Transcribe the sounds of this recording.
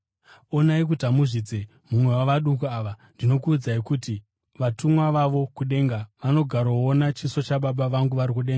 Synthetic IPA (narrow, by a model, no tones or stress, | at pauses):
o̞naik̬utamuʐid͡ze̞ | mumwe̞waʋaɗukuaʋandino̞kuːd͡zaikuti | ʋatumwaʋaʋo̞kuɗe̞ːŋɡaʋano̞ɡʱaɾoonat͡ʃiso̞t͡ʃaɓaɓaʋaŋɡuʋaɾik̬uɗe̞ŋɡa